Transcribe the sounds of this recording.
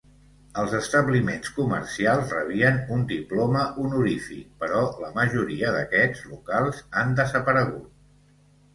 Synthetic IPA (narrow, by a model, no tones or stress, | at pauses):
əlˠzəst̪əβlimenskuməɾsialˠzrəβiənund̪iplɔməʔunuɾifik̚pəɾɔləməʒuɾiəðəkɛd͡zlukalˠzand̪əzəpəɾəɣ̞ut̪̚